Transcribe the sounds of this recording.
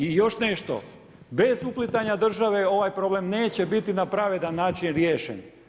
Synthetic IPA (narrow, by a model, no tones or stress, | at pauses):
ijo̞ʃneʃt̪o̞̰ | be̞zuplit̪aɲad̪r̩ʒaʋe̞o̞ʋajpɾo̞ble̞mne̞ːt͡ɕe̞bit̪inapɾaʋed̪anːaːt͡ʃinɾjeːʃḛn